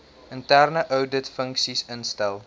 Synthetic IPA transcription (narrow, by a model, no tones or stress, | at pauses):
əntærnəʔœwdətfəŋksisənstɛlˠ